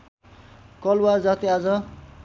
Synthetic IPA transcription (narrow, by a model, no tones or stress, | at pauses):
kʌlwad͡zat̪iad͡zʌ